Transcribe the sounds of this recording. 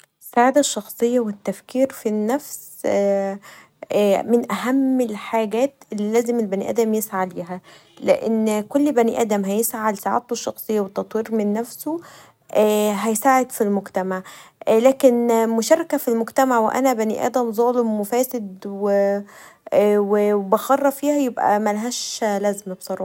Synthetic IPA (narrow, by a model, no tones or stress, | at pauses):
esːaʕaːd̪æʃːɑxsˤejːɑwet̪ːæfkiːɾfinːæfs | mɪnʔæɦæmːelħaːɡæːt̪elːilæːzemelbænḭʔæ̰ːd̪æmjesʕaliːɦæleʔḛnːkolːbæniːʔæ̰ːd̪æmɦæjesʕalsaʕa̰ːt̪oʃːɑxsˤejːɑwet̪ːɑt̪ˤwiːɾmenːæfso | ʔæːɦæjsaːʕed̪filmoɡt̪æmaʕlæːkenmoʃæːɾˤɑkæfilmoɡt̪æmaʕweʔæ̰næbænḭʔæ̰ːd̪æmzˤɑːlemːofæːsed̪w | webæxɑrˤːɑfiːhæjebʔæ̰mælæɦæːʃlæːzembsˤɑɾˤɑː